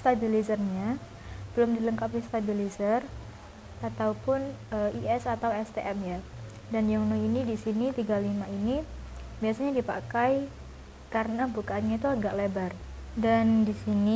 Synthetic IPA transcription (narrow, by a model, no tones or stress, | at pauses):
st̪abilizərɲa | b̥əlʊmdiləŋkapist̪abilizər | at̪awpʊnəiʔɛsat̪awɛst̪eʔɛmja | danjaŋnoinidisinit̪iɡalimaini | biasaɲadipa̰kaj | karənabukaːnɲait̪uaɡaʔlebardandisini